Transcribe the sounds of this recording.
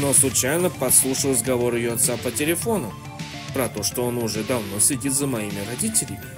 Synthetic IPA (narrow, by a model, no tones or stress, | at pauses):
noslˠʊt͡ɕajnəpɐt̪slˠuʂəlˠrəzɡɐvo̞ɾɪjoɐt̪sapətʲɪlʲɪfo̞nʊ | pɾɐt̪o̞ʂt̪oonʊʐɛd̪ɐvno̞sʲlʲɪdʲit̪zəmɐimʲɪɾɐdʲitʲɪlʲɪmʲɪ